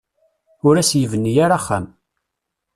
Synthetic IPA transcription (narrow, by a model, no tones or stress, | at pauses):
ʊɾæsjəvənːijaɾaχːæ̰m